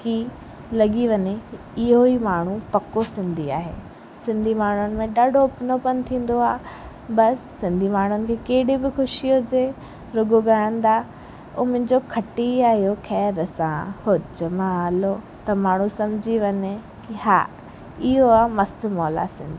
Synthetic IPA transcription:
ki | lɐɠiʋɐɲe | ɪɦoimaːɳ̤upɐkosɪ̃nd̪ʱia̰ːɦḛ | sɪ̃nd̪ʱimaːɳ̤ʊnɪ̆mẽɗaːɖʱopnopɐn̆t̪ʰĩːn̆d̪oaː | bɐsːɪ̃nd̪ʱimaːɳ̤ʊnɪ̆kʰeːkeɦɪɽibɪxʊʃijod͡ʑe | ɾʊɡoɠaːɪə̃nd̪aː | ʊmʊ̃ɲd͡ʑokʰɐʈiaːɦijoxʰɛːɾəsãhod͡ʑmãɦaːlo | t̪ɐmaːɳ̤ũsɐmɪd͡ʑʱiʋɐɲe | kiɦa̰ː | ɪɦoamɐst̪ʊ̆mɔːla̰sɪ̰̃nd̪ʱi

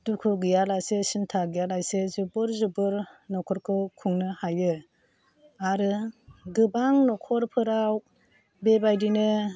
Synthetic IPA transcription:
dukʰuɡɯjalajsesintʰaɡijalajsezubɯɾzubɯɾnɔkʰɔɾkʰɯkʰuŋnɯhajɯ | aɾɯɡɯbaŋnɔkʰɔɾpʰɯɾaw | bebajdinɯ

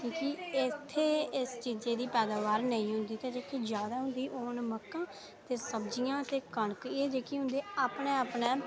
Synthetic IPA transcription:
kiːkiɪt̪ʰːeːɪst͡ʃiːd͡ʒeːd̪iːpɛːd̪aːʋaːɾnəĩːɦʊ̃nd̪iːt̪ãd͡ʒeːkid͡ʒjaːd̪aːɦʊ̃nd̪iːʔoːnməkːãː | t̪eːsəbd͡ʒijãːt̪eːkəɳkiːɛːd͡ʒeːkiɦʊ̃nd̪eːaːpneːaːpneː

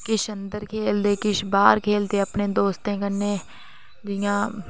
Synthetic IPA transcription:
kɪʃənd̪əɾkʰeːld̪eːkɪʃbaːɾkʰeːld̪eːəpnẽːd̪oːst̪ẽːkənːeː | d̪ɪjãː

